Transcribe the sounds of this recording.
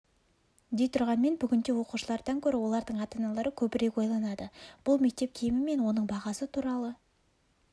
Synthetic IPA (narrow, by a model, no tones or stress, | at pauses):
d̪e̞jt̪ʰʊɾʁɑnme̞nbʏɡʲɪnd̪e̞wo̞quʃəlˠɑɾd̪ɑŋkʲʰɵɾɪwo̞lˠɑɾd̪əɴɑt̪ɑnɑlˠɑɾəkʲʰɵbɪɾe̞kwo̞jlˠɑnɑd̪əb̥ʊlˠme̞k̚t̪e̞p̚kʲʰejmɪme̞nwo̞nəɴbɑʁɑsət̪ʰuɾɑlˠə